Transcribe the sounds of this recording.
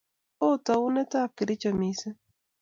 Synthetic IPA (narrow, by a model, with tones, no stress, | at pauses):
o˦t̪a˨u˦ne˦t̪a˦˨p̚kɪ˨ɾi˦t͡ʃa˨mi˨se˦